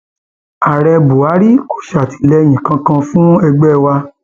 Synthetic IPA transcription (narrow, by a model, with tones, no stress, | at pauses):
a˨ɾɛ˧bu˨a˨˦ɾi˦ko̥˦ʃa˨ti̥˨lɛ˧j̃ĩ˨kã˧kã˧fũ˦ɛ˧ɡ͡bɛ˦˨wa˧